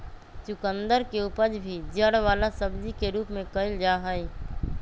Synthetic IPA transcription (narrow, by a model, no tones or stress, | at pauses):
t͡ʃʊkənd̪əɾkeupəd͡ʒbʱid͡ʒəɽʋaːlasəbd͡ʒikeɾuːpmẽkəɪld͡ʒaɦəj